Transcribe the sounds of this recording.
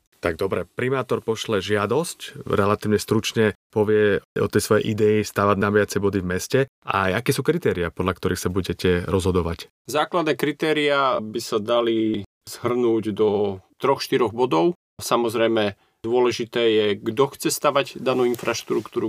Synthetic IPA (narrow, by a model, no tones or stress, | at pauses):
t̪aɡ̚d̪ɔbɾɛpɾimaːt̪ɔɾpɔʃlɛʒɪad̪ɔscɾɛlat̪iːʊɲɛst̪ɾut͡ʃɲɛpɔʋɪɛɔ̰t̪ɛjsʋɔjɛ̰jʔid̪ɛist̪aʋaɟnabɪat͡sɛbɔd̪ivmɛscɛ | ʔa̰jakɛːsuːkɾit̪ɛːɾiapɔd̪ʎakt̪ɔɾixsabuɟɛcɛɾɔzɦɔd̪ɔʋac | zaːklad̪nɛːkɾit̪ɛːɾiabisad̪ali | z̥ɦr̩nuːɟd̪ɔt̪ɾɔxʃt̪iɾɔɣbɔd̪ɔʊ | samɔzɾɛjmɛ | d̪ʊɔlɛʒit̪ɛːjɛɡd̪ɔxt͡sɛst̪aʋaɟd̪anuːinfɾaʃt̪ɾukt̪uːɾu